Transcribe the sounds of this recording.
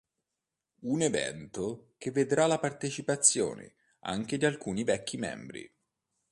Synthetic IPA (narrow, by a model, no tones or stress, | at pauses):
unevɛ̰nt̪okevːed̪ɾalapart̪et͡ʃipat̪sːjo̰ːnḛ | a̰ŋk̟ed̪ialkuːnivɛkːimɛ̰mbɾḭ